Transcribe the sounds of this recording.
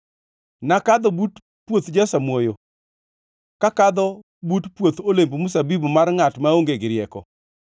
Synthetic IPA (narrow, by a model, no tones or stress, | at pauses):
nakad̪ɔbut | pwot̪d͡ʒasamwojo | kakad̪ɔ | butpwot̪olembomus̬abibomarŋatmaoŋɡeɡɪɾɪjɛkɔ̰